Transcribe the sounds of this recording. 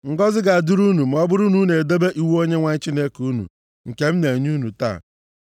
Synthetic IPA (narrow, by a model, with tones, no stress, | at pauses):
ŋ̩˨ɡɔ˦zɪ˦ɡa˨a˨du˦ɾu˦nu˨m̩˨ɔ˦bʊ˦ɾʊ˦nu˦ne˨de˦be˦ʔi˦wo˦ɲe˦ŋʷa˦ɲ̩˦t͡ʃi˦ne˦ku˦nṵ˨ | ŋ̩˨ke˦m̩˦ne˨ɲu˦nu˨ta̰ː˦˨